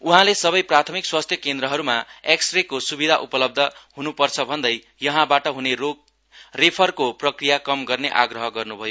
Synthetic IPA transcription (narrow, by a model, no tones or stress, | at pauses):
uɦãlesʌbʌjprat̪ʰʌmikswast̪ʰjʌkend̪ɾʌɦʌɾumaeksʈrekosubid̪ʱaʔupʌlʌb̚d̪ʱʌɦunupʌrt͡sʰʌbʱʌnd̪ʌj | jʌɦãbaʈʌɦunero | repʰʌrkoprʌkrijakʌmɡʌrneʔa̰ɡrʌɦʌɡʌrnubʱʌjo